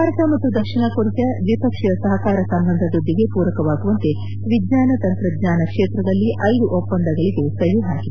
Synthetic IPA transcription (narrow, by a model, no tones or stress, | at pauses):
aːɾɐt̪ɐmɐt̪ːud̪ɐkʂiɳɐkoɾit̪ɐʋipɐkʂɐɐsɐɦɐkaːɾɐsɐmbɐnd̪ʱɐd̪ud̪ʱːiɡe̞puːɾɐkɐʋaːɡuʋɐnt̪e | ʋidnaːnɐt̪ɐnt̪ɾɐd̪ɲaːnɐkʂeːt̪ɾɐd̪ɐlːiʔʔɐjd̪uʔopːɐnd̪ʱɐɡɐɭiɡe̞sɐjuɦaːɡi